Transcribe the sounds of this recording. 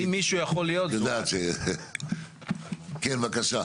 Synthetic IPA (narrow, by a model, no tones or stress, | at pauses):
imːiʃujaχolijotjod̪aːtʃe | kenvakaʃa